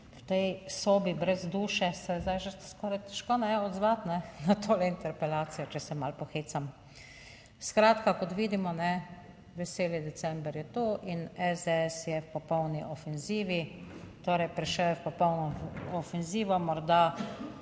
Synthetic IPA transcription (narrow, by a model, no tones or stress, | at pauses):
wt̪ɛjsoːbibɾɛzd̪uːʃɛsɛzd̪ajʒəskɔːɾajt̪ɛ̥ʃkoːnɛɔd̪zʋat̪nɛnat̪ʰoːlɛint̪ɛɾpɛlaːt̪sijɔt͡ʃɛsɛmalpɔxeːsam | skɾaːt̪kakɔt̪ʋiːd̪imɔnɛ | ʋɛseːlid̪ɛsɛmbɾjɛt̪oːʔinɛzd̪ɛɛsjɛwpɔpɔwniʔɔfɛnziːʋit̪oːɾɛjpɾiʃɛwjɛwpɔpɔwnɔɔfɛnziːʋɔmɔɾd̪a